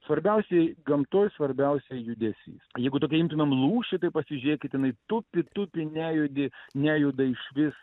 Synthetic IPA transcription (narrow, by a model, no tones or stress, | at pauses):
sʋɐɾʲbʲɛʊsʲɛɪɡɐmt̪oːjsʋɐɾʲbʲɛʊsʲɛjjʊd̪ʲɛsʲḭːsjɛɪɡʊt̪oːkʲɛɪmʲt̪ʲɪmʲɐmlˠuːʃʲɪt̪ɐɪpɐsʲɪʒʲʊɾʲeːkʲɪt̪jɪnɐɪt̪ʊpʲɪt̪ʊpʲɪnʲæːjʊd̪ʲɪnʲæːjʊd̪ɐɪʃʋʲɪs